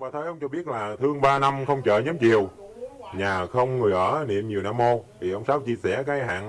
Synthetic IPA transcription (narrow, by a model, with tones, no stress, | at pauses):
ɓaː˧˩t̪ʰə˨˦jʔə˧wŋ͡mt͡ɕɔ˧ɓi˦˥ət̚laː˨˩t̪ʰɨ˧əŋɓaː˧na˧mxə˧wŋ͡mt͡ɕə̰ː˧˨ɲɔ˨˦mt͡ɕi˨˩əw | ɲaː˨˩xə˧wŋ͡mŋɨ˨˩əjʔəː˧˩nḭ˨əmɲi˨˩əwnaː˧mːo˧t̪ʰi˨˩ʔə˧wŋ͡msaː˨˦wt͡ɕi˧əsɛ˧˩kaː˨˦jha̰ː˧˨ŋ